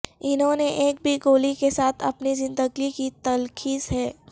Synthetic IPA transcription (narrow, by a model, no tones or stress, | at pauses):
ɪnɦõːneʔeːk̚bʱiɡoːlikesaːt̪ʰɐ̰pnizɪ̃nd̪əɡikit̪ɐlkiːzɦɛː